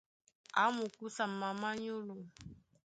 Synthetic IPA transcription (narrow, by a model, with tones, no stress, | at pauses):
a˨˦mu˨ku˦sa˨ma˨ma˦ɲo˦lo˨